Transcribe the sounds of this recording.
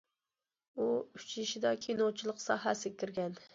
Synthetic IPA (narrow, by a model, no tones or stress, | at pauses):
uyt͡ʃʰɪʃɪd̪ɑkʲʰenot͡ʃʰilˠəqsɑɦæsɪkʲɪɾɡʲɛn